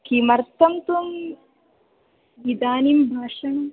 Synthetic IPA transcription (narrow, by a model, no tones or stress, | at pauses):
kimɐɾt̪ʰɐmt̪um | ʋid̪aːnimbʱaːʂɐn